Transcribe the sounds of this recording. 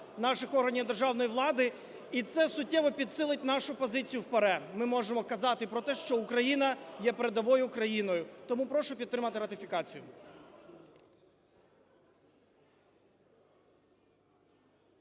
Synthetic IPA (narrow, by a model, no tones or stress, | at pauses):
nɑʃɪxɔɦɐnʲiwd̪erʒɑwnɔjiʋlˠɑd̪ɪ | it̪sɛsʊt̚ʲːɛʋɔpʲid̪sɪlˠɪtʲnɑʃʊpɔzɪt͡sʲijʊwpɐɾɛmɪmɔʒemɔkɐzɑt̪ɪpɾɔt̪ɛʃt͡ʃɔʊkɾɐjinɐjɛpeɾed̪ɐʋɔjʊkɾɐjinɔjʊt̪ɔmupɾɔʃɔpʲit̪ːɾɪmɐt̪ɪɾɐt̪ɪfʲikɑt͡sʲijʊ